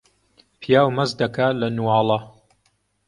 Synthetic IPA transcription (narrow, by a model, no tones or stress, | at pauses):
pʰijaːwmɐzd̪ɐkʰaːlɐnuwɑːlˠɐ